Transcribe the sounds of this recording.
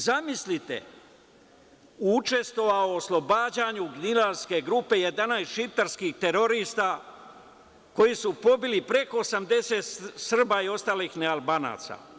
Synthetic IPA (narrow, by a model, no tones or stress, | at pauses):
zamislit̪ḛ | uut͡ʃe̞st̪ʋo̞ʋaoːslˠo̞baːd͡ʑaːɲuɡnilaɾske̞ɡɾuːpe̞je̞d̪anaːjsʃit̪aɾskixt̪e̞ɾo̞ɾiːst̪a | ko̞jisupo̞bilipɾe̞ko̞ːsamd̪e̞set̪sr̩baio̞st̪aːlixnealˠbaːna̰ːt̪sa̰